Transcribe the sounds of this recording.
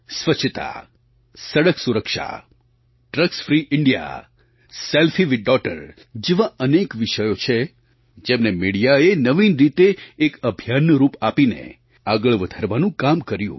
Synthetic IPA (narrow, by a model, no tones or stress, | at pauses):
sʋət͡ʃʰːət̪a̰ | səɽəksuɾəkʃa̰ | ʈɾəksfɾiʔɪɳɖija̰ | selfiʋiɖɔʈə̰ɾ | d͡ʒeʋaənekʋiʃəjot͡ʃʰe | d͡ʒemnemiɽijaenəʋinɾit̪eːkəbʱjanɾupapinḛ | aɡəɭʋəd̪ʱaɾʋanũkamkəɾjṵ̃